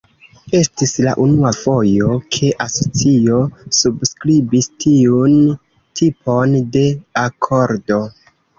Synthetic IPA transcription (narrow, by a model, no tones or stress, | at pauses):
e̞stisla̰ʔunuafo̞jo̞kʰe̞ʔaso̞t͡sio̞subskɾibistʰiun | tʰipʰo̞nde̞akʰo̞ɾdo̞